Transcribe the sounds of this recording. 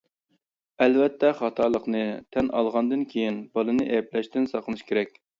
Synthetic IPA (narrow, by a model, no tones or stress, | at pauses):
ɛlvɛt̪ʰːɛχɑt̪ʰɑlˠəqnɨt̪ʰɛnʔɑlˠʁɑnd̪ɨnkʲʰejinbɑlˠɨnɨʔɛɛplɛʃt̪ɪnsɑqlənɨʃkʲʰeɾɛkʲ